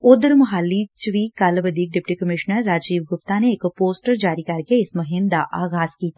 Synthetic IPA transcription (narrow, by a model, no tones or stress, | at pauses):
ʊd̪ɾmɐɦalːit͡ʃʋiːkaːlbəd̪ʱiːk̚ɖɪpʈikɐmɪʃnəɾːaːd͡ʒiːʋɡʊpt̪aneːkpoːsʈəɾd͡ʒaːɾikaɾkeɪsmɐɦɪnd̪aʔaːɡaːskiːt̪ː